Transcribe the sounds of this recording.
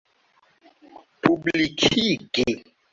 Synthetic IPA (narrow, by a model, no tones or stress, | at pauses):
pʰublikʰike